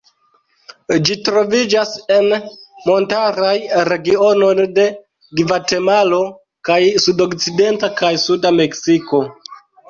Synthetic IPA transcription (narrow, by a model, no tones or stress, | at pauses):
d͡ʒitɾo̞vid͡ʒase̞nmo̞ntaɾajɾe̞ɡio̞no̞jde̞ | ɡvate̞malo̞ | kajsudo̞kt͡side̞ntakajsudame̞ksiko̞